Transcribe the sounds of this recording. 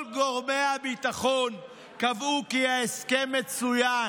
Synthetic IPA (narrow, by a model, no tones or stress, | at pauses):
lɡo̞ʁme̞abit̪aχo̞n | kavukihaeskemːe̞t͡suja